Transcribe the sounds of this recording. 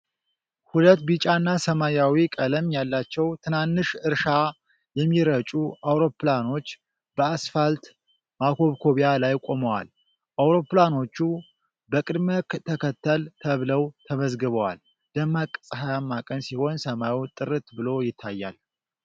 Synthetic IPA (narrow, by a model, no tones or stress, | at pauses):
hulət̪ːbit͡ʃʼanːasəmajawikʼələmjalːat͡ʃːɛwt̪ʰɨnanːɨʃɨɾʃa | jɛmːiɾət͡ʃʼuʔawɾo̞plano̞t͡ʃː | b̥əasfalt̪ | makʰo̞βkʰo̞βijalajkʼo̞məwa̰l | ʔawɾo̞plano̞t͡ʃːu | bəkʼɨd̪məkt̪ʰəkʰət̪ʰːəlt̪ʰəβləwt̪ʰəməzɡɨβəwa̰l | d̪̥əmːakʼsʼhajamːakʼənsiho̞nsəmaut̪ʼɨɾɨt̪bɨlo̞jɪt̪ʰːajːa̰l